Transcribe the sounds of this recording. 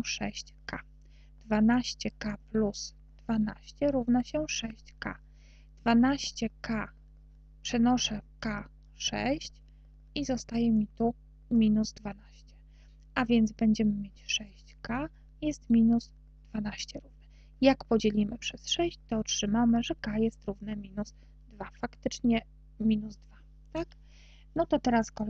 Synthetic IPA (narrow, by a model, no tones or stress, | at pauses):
ʂɛɕt͡ɕka | d̪̥vanaɕt͡ɕɛkaplus | d̪̥vana̰ɕt͡ɕɛɾuvnaɕɛʂɛɕt͡ɕka̰ | d̪̥vanaɕt͡ɕɛka | pʂɛnɔʂɛka | ʂɛ̰ɕt͡ɕ | izɔst̪ajɛmʲit̪u | mʲinuzd̪vanaɕt͡ɕɛ | avʲjɛnd̪zbɛɲd͡ʑɛmɘmʲjet͡ɕʂɛɕt͡ɕka | jɛst̪mʲinuz | d̪vanaɕt͡ɕɛɾuvnɛ | jakpɔd͡ʑɛlʲimɘpʂɛsʂɛɕt͡ɕt̪ɔːtʂɘmamɘʐɛkajɛst̪ɾuvnɛmʲinuz̥ | d̪vafakt̪ɘt͡ʂɲɛ | mʲinuzd̪va | t̪ak | nɔt̪ɔt̪ɛɾaskɔ